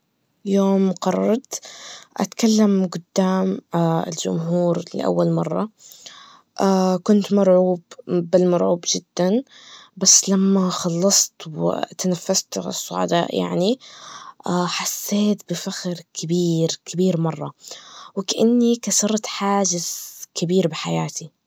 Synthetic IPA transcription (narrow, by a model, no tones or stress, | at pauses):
joːmqɑrˤːɑɾˤt̪ʔa̰t̪kalːamɡʊd̪ːaːmaɪ̰ld͡ʒʊ̰mɦuːɾlɪ̰ʔa̰wːalmɑrˤːɑ̰ | ʔakʊnt̪mɑɾˤʕuːbbɪlmɑɾˤʕuːbd͡ʒɪd̪̥ːanbasːlamːaxɑlːɑsˤt̪wɪ̰t̪anafːast̪ʕɪ̰sˤːʊ̰ʕa̰d̪a̰ːʔja̰ʕniʔaːħasːeːt̪̚bɪfaxɾkʰɪbiːɾkɪbiːɾmɑrˤːɑwɪkaʔanːikasɑɾˤt̪ħaːd͡ʒɪz̥kɪbiːɾbɪħajaːt̪i